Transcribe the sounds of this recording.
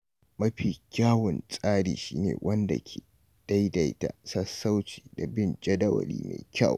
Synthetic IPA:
mɐ˦ɸiː˨kʲaː˦wʊ˨nsʼaː˦ɽiː˨ʃiː˦nḛː˨wʔɐ˦nda˨kʲʰeː˨ | d̥a˦jda˨jta̰˨sɐ˦sːa˦wt͡ʃi̥ː˨da˨bɪ˦˨nd͡ʒɐ˦dɐ˦wɐ̰˨lḭː˦ma̰˨jkʲɐ˦˨w

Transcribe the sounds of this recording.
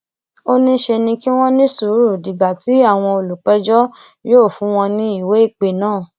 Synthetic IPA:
o˦nĩ˦ʃe˧nĩ˧ki˦w̃ɔ̃˦nĩ˦su˨˦ɾu˦˨di˨ɡ͡ba˨ti˨˦a˦˨w̃ɔ̃˧o˧˨lu˨k͡pɛ˦d͡ʒɔ˦joː˦˨fũ˨˦w̃ɔ̃˧nĩ˦i˦˨we˨˦i˦˨k͡pe˨nãː˦˨

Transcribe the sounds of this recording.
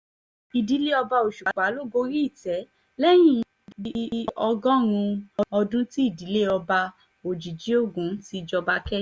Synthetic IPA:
i˨di˨˦le˦ɔ˧ba˧o˨ʃu˨k͡pa˨˦lo˦˨ɡo˧˦ɾi˦i˦˨tɛ˨˦ | lɛ˦j̃ĩ˦˨ | i˦˧˦ɔ˧ɡɔ̃˦ɾ̃ũ˧ɔ˧ɔ˧dũ˦ti˦i˦˨di˨˦le˦ɔ˧ba˧ | o˨d͡ʒi˨d͡ʒi˨˦o˦˨ɡũ˨˦ti˧d͡ʒɔ˧ba˧kɛ˦

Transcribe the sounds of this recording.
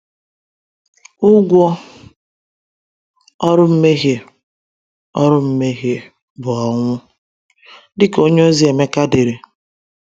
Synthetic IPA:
ʊ˦ɡʷɔ˦ | ɔ˦ɾʊ˦m̩˦me˦ɦje˨ | ɔ˦ɾʊ˦m̩˦me˦ɦje˨ | bʊ˨ɔ˨ŋʷʊ˦ | dɪ˦ko˦ɲe˦o˦zi˦e˨me˦ka˦de˨ɾe˨

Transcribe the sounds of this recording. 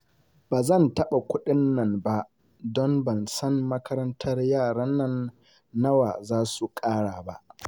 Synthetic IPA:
b̥aː˨zɐ˦˨ntɐ˦ɓa˨kʷʊ˦ɗɪ˦nːɐ˨mba˦ʔ | dɔ˦mbɐ˨nsɐ˦mmɐ˦kʰɐ˦ɾɐ˦ntʰɐ˦rjaː˦˨ɽɐ˦nːɐ˦nː | ɐ˦wa̰ː˨zaː˦su˨kʼaː˦ɽaː˨ba̰˦ʔ

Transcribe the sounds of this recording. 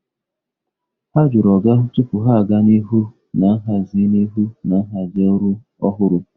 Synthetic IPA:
ha˦d͡ʒʊ˨ɾɔ˨ɡa˦ʊ˦tʊ˦pʊ˨ɦa˦˨ɡa˦ni˦ɦu˦ | na˨˦ɦa˨zi˦ni˦ɦu˦na˨˦ɦa˨d͡ʒe˦ʊ˦ɾu˦ | ɔ˦ɦʊ˦ɾʊ˨

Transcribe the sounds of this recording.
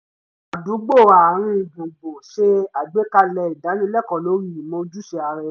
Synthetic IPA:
a˨du˨˦ɡ͡bo˦˨a˨ɾ̃ĩ˦i˨bo˨ɡ͡bo˨ʃe˦a˦˨ɡ͡be˨˦ka˦˨lɛ˧˦i˨da˨˦nĩ˦lɛ˦˨kɔ˨lo˨˦ɾi˦˨mõ˧d͡ʒu˦ʃe˧a˧ɾɛ˧

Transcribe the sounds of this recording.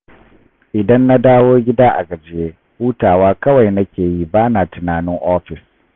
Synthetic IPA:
ʔɪ˨dɐ˦nːa˦daː˦woː˦ɡʲɪ˦daː˦ʔa˨ɡɐ˨d͡ʒjeː˦ | huː˦taː˨waː˦kɐ˦wa˨jnɐ˦kʲeː˨ji˦baː˦naː˨tʊ˨naː˨nɪ˦ŋʔɔː˦ɸɪ˨s

